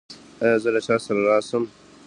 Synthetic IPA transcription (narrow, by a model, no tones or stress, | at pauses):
ajɑːzəlat͡ʃaːsɐɾaɾaːsəm